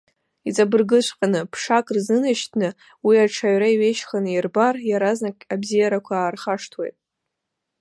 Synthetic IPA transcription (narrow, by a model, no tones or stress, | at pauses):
it͡sʼabɨrɡɨʃʷqʼanɨpʰʂakʼrzɨnaʃtʰnɨ | wiaʈ͡ʂʰaɥɾaiɥejʃχanɨirbarjaɾaznakʲʼabzijaɾakʷʰaːrχaʂtʰwejtʼ